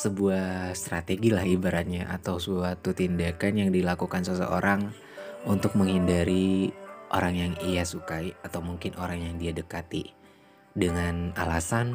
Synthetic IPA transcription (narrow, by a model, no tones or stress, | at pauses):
səbuahst̪ɾat̪eɡilahibaɾat̪̚ɲaʔa̰t̪awsəbuat̪ut̪indakanjaŋdilakukansəsə̰ʔo̰ɾʔaŋ | unt̪ʊk̚məŋhindaɾiʔo̰ɾaŋjaŋijasukajat̪awmuŋkɪnʔoɾaŋjaŋdiadəkat̪i | dəŋana̰lasan